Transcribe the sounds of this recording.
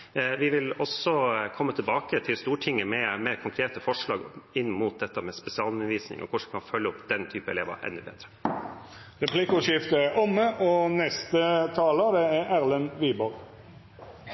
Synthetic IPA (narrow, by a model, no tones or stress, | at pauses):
ʋɪʋɪlɔsɔkʰɔmːət̪ʰɪlbɑːkət̪ʰɪlst̪uːʈʰɪŋːəmɛmeɪɾkʰʊŋkʰɾeːt̪əfɔʂɭɑːɡɪnːmuːt̪̚d̪ɛt̪ːəmɛspɛsɪɑːlʉnəʋiːsnɪ̰ŋʔɔ̰kʰʊʂʋɪkʰɑnfœlːəʊpd̪ɛnt̪ʰyːpəɛleːʋə̰ɾʔɛ̰nːʉbḛːd̪ɾə | ɾɛpʰlikʊʃɪft̪əʔɔməʔɔnɛst̪ət̪ʰɑːləd̪ɛææɾlənʋiːbɔɾɡ